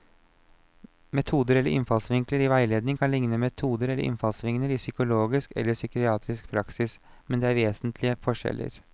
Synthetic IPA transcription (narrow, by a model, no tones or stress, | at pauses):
mɛt̪ʰuːd̪əɾɛləʔɪnfɑlsʋɪŋkləɾiːʋæɪleːd̪nɪŋkʰɑnlɪŋnəmɛt̪ʰuːd̪əɾɛlːəʔɪ̰nfɑlsʋɪŋnəɾiːsʏkʊloːɡɪskɛ̰lːəsʏkɪɑːt̪ʰɾɪskpʰɾɑksɪs | mɛnd̪ɛːæːɾʋeːsnt̪ʰlɪəfɔʂɛ̰lʔə̰ɾ